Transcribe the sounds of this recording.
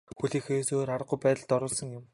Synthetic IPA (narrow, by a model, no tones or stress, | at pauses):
xuɮiːxejːsoːɾaɾə̆qʊjpæːt̪ə̆ɮt̪ɔɾʊːɮsə̆ŋjʊm